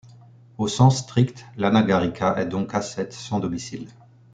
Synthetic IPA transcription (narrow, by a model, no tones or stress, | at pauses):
osɑ̃sːt̪χikt̪lanaɡaʁikʰaʔɛd̪ɔ̃kasɛt̪sɑ̃d̪ɔmisil